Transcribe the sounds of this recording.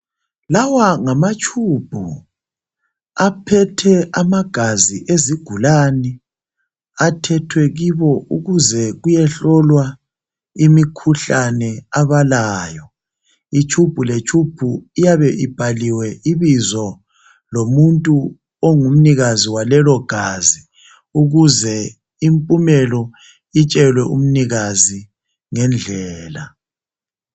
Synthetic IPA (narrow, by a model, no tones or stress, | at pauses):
lawaŋamat͡ʃʰʼub̥ʱu | apʰɛtʰɛʔamaɡ̥ʱaziʔeziɡ̥ʱulaːnɛ | atʰɛtʰwɛɣiβɔṵɣuzɛɣujɛɬɔlwa | imikʰuɬanɛaβalaːjɔ | it͡ʃʰʼub̥ʱulet͡ʃʰʼub̥ʱuijaβɛʔib̥ʱaliwɛiβizɔ | lomuntʼu | oŋum̩niɣaziwalɛlɔɡ̥ʱazi | uɣuzɛ | impʼumɛlɔ | it͡ʃʼɛlwɛʔum̩niɣazi | ŋɛnd͡ɮʱɛːla